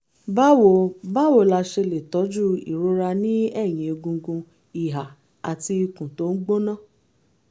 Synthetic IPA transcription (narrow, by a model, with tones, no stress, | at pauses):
ba˦wo˨ba˦wo˨la˧ʃe˧le˨tɔ˨˦d͡ʒu˦ḭ˨ɾo˧˦ɾa˧nĩ˦ɛ˦˨j̃ĩ˨o˧ɡũ˧ɡũ˧ | i˨ɦa˨ | a˨ti˧i˧kũ˨to˨˦n̩˦ɡ͡bo˦nãː˦˨